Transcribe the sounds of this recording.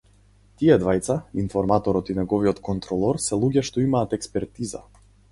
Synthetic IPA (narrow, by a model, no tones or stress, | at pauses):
t̪iɛd̪vajt̪sainfɔɾmat̪ɔɾɔt̪inɛɡɔviɔt̪kɔnt̪ɾɔlˠɔɾsɛlˠuɟɛʃt̪ɔimaːt̪ɛkspɛɾt̪iza̰